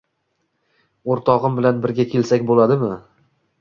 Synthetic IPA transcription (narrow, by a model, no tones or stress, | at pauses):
oɾt̪ʰɒʁɨmbɪlanbɪɾɡʲakʲʰe̞lsakʲbolad̪ɪmɪ